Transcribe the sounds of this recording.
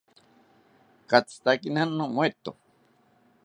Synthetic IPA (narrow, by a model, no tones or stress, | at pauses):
kat͡st̪akinanːõmwet̪o̰